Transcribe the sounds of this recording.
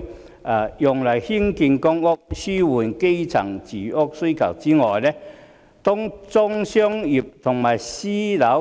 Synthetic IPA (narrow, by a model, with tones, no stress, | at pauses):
a˨˧jʊ˨ŋlɐ˨˩jhi˥nki˧nkɔ˥ŋʊ˥k̚syː˥wuː˨˩nke˥jt͡sʰɐ̰˨˩ŋt͡siː˨˩ʊ˥k̚su˥kʰɐ̰˨˩wt͡siː˥ŋɔː˨jlɛ˥ | t̪ʊ˥ŋt͡sɔ˥ŋsœː˥ŋji˨˩p̚t̪ʰʊ˨˩ŋmaː˨˩jsiː˥lɐ˨˧˥w